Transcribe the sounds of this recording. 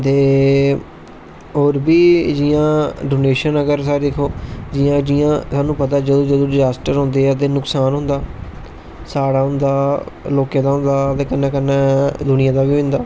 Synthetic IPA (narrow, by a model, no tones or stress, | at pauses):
t̪eː | ɦoːɾbiːd͡ʒijãːɖoːneːʃənəɡəɾsaːɾekʰoːd͡ʒɪjãːd͡ʒɪːãːsaːnũːpət̪aːd͡ʒəd̪õːd͡ʒəd̪õːɖɪzaːsʈəɾɦʊ̃nd̪eːɛt̪̬eːnʊksaːnɦʊ̃nd̪aː | saːɽaːɦʊ̃nd̪aːloːkjãːd̪aːɦʊ̃nd̪aːt̪eːkənːɛ̃ːkənːɛːd̪ʊnɪjãːd̪aːʋiːʋɪ̃nd̪aː